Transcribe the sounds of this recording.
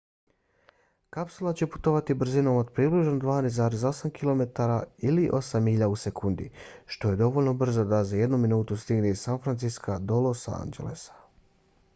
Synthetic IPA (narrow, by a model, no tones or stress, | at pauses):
kapsulˠat͡ɕe̞pu̥t̪o̞ʋat̪ibr̩zino̞mod̪̚pɾibliʒnod̪ʋaːnezaːɾezo̞samkilo̞me̞t̪aɾailiʔo̞samiʎausekund̪ḭʃt̪o̞je̞d̪o̞ʋo̞lʲno̞br̩zod̪azaje̞d̪numinuːt̪ust̪iɡneizsanfɾansiskad̪o̞losa̰a̰nd͡ʑe̞̰le̞sḁ